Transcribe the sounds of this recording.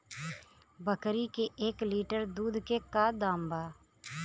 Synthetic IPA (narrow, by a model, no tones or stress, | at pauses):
bəkɾikeʔeːkliːʈəɾd̪uːd̪ʱkekad̪ãːmbaː